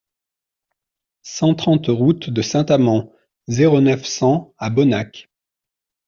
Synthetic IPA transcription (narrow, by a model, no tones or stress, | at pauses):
sɑ̃t̪χɑ̃t̪ʁut̪d̪əsɛ̃t̪amɑ̃ | zeʁonœfsɑ̃abɔnak